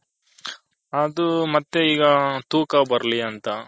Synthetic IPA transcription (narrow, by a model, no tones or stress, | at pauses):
ɐd̪umɐt̪ːeiːɡɐt̪uːkɐbɐɾliɐnt̪ɐ